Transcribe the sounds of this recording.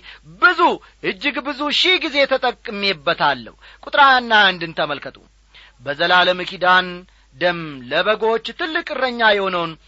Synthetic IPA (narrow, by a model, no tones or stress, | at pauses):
bɨzu | ʔɨd͡ʒːɪɡbɨzuʃiɡizet̪ʰət̪ʼəkʼːɨmebːət̪ʰalːə̰hu | kʼut̪ʼɾanːand̪ɨnt̪ʰəməlkʰət̪ʼṵ | bəzəlaləmɨkʰid̪an | d̪əmləβəɡo̞t͡ʃːt̪ʰɨlːɨkʼɨrːəɲːajɛho̞nəwn